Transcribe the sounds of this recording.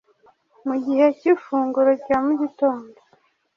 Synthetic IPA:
muɟihe̞cifuːŋɡuɾocamuɟito̞ːndo

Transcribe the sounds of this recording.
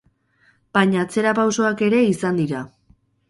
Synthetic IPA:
b̥ajɲaːt͡se̞ɾapawso̞ake̞ɾe̞isand̪iɾa

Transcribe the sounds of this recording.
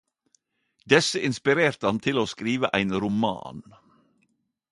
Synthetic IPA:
d̪ɛsəʔɪnspɪɾeːɾt̪əɑnt̪ʰɪloːskɾiːʋəʔæɪnɾʊmɑ̰ːn

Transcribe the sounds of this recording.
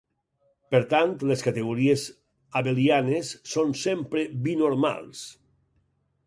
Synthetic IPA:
peɾt̪ant̪leskat̪eɣuɾiez | aβelianesːonsempɾebinoɾma̰lˠs

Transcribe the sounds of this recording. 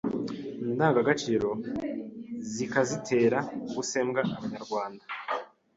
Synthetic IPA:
indaːŋɡaɡat͡ʃiːɾo̞ | zikazitʰe̞ːɾaɡuse̞ːmɡaʔaβaɲaɾɡwaːnda

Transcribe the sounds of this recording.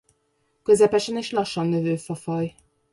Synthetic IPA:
kø̞zɛpɛʃɛneːʃlɒʃːɒnːøvøːfɒfɒj

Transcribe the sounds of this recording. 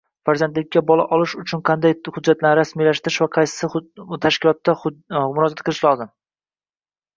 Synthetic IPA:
faɾzand̪lɪkʲːabɒlˠa̰ʔɒlɪʃʊt͡ʃʰʊnqʰɑnd̪ajhʊd͡ʒːat̪laɾɾasmijlaʃt̪ɪɾɪʃvaqʰɑjsɪ̥sɪt̪ʰaʃkʲɪlˠɒt̪ːamʊɾɒd͡ʒat̪̚qʰɨlˠɪʃlɒzɪm

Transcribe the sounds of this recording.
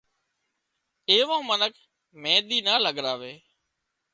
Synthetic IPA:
eːʋãːmənəkʰ | mẽːɗ̪iːnaːləɠɾaːʋeː

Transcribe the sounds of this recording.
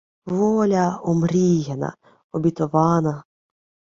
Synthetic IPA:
ʋɔlʲɐɔmɾʲijɛnɐ̰ | ɔbʲɪt̪ɔʋɑnɐ

